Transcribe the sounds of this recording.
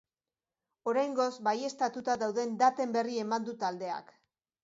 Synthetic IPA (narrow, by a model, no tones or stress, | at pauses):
o̞ɾajŋɡo̞zbaje̞st̪at̪ut̪aðawðe̞nd̪at̪e̞mbe̞rie̞mand̪ut̪ald̪e̞a̰k